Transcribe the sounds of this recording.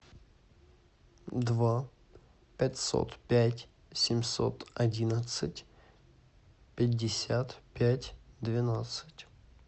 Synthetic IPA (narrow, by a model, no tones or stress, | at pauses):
d̪va | pʲatʲso̰t̪pʲætʲ | sʲɪmʲso̰t̪ɐdʲinət̪sɨtʲ | pʲɪdʲːɪsʲat̪pʲætʲd̪vʲɪnat̪sɨ̥tʲ